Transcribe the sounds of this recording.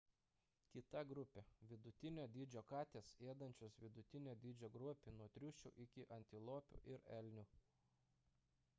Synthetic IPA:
kʲɪt̪ɐɡɾʊpʲeʋʲɪd̪ʊt̪ʲɪnʲoːd̪ʲiːd͡ʒʲoːkɑːt̪ʲeːseːd̪ɐnʲt͡ʃʲosʋʲɪd̪ʊt̪ʲɪnʲoːd̪ʲiːd͡ʒʲoːɡɾuɔpʲɪnuɔt̪ʲɾʲʊʃʲt͡ʃʲʊ̰ʔɪkʲɪʔɐnʲt̪ʲɪlˠoːpʲʊ̰ʔɪɾɛlʲnʲʊː

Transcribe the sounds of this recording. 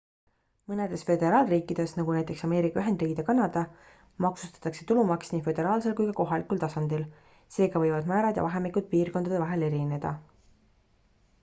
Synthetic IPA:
mɤne̞d̪̥e̞sfe̞d̪̥e̞ɾɑːlriːkˑːid̪̥e̞snɑɡ̥unæjt̪ːˑe̞ksɑme̞ːɾikːˑɑyɦe̞nd̪rijɡid̪̥ekɑnɑd̪̥ɑ | mɑksust̪ɑ̥t̪ːˑɑkse̞t̪ulumɑksniːfø̞d̪̥e̞ɾɑːlse̞lkujkɑko̞ɦɑlikˑult̪ɑsɑnd̪̥il | se̞ːɡɑvɤjvɑd̪̥mæːɾɑd̪̥jɑ̰vɑɦe̞mikˑud̪̥̚piːrkond̪ɑd̪evɑɦe̞le̞ɾine̞d̪̥ɑ̰

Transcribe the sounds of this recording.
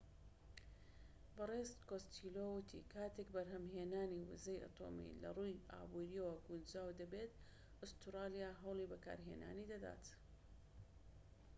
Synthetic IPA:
bɨrezt̪koːst̪ʰiːlowʊt̪ʰḭkʰaːt̪eːkbɐɾɦɐmɦeːnaːniwʊ̰zejʔɐ̰t̪ʰo̰ːmḭlɐ̰rˤuja̰ːbuːɾijəwɐɡund͡ʒaːwd̪ɐbet̪ | ʊst̪ɨɾaːlijaːɦɐwlˠibɐka̰ːɾɦḛːna̰ːnid̪ɐd̪a̰ːt̪

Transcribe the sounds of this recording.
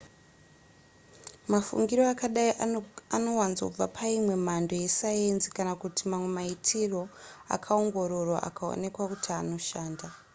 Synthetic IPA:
mafṵŋɡiɾoakaɗaiano̞wanzo̰b͡vapʰaimwe̞mando̞je̞sajensi̥kanakutimamwe̞maitʰiro̞a̰kʰao̞ŋɡo̞ɾo̞rwa̰ʔa̰kao̰ne̞kwakutʰiano̞ʃaːnda

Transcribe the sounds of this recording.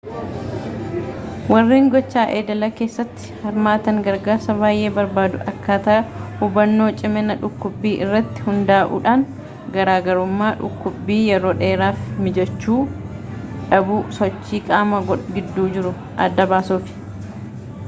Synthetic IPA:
wɐrːiːŋɡɔt͡ʃːaːʔeːd̪ɐlɐke̞ːsːɐt̪ːɪ̥hɐɾmaːt̪ɐŋɡɐɾɡaːɾsɐbaːjʔe̞ːbɐɾbaːd̪ʊʔɐkːaːt̪ɐʔɐhʊbɐnːo̞ːt͡ʃʼɪmɛnɐᶑʊkːʊbːiːʔɪrːɐt̪ːɪ̥hʊnd̪aːʔṵːᶑaːŋ | ɡɐɾaːɡɐɾʊmːaːᶑʊ̰kːʊbːiːjɛɾo̞ːᶑe̞ːɾaːfmɪd͡ʒɛt͡ʃːuː | ᶑɐbuːsɔt͡ʃːiːkʼaːmɐɡᶑɡɪd̪ːuːd͡ʒɪɾʊ | ʔɐ̰d̪ːɐbaːsuːfɪ̥

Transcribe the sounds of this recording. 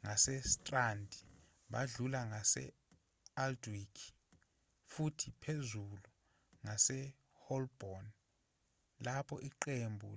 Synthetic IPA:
ŋasɛstʼrandʱi | ɓaɮulaŋasɛ̰ | aldwikʰi̥ | futʰipʰezulu | ŋasɛ | hɔlb̥ɔn | lapʰɔʔiǃembʱṵ

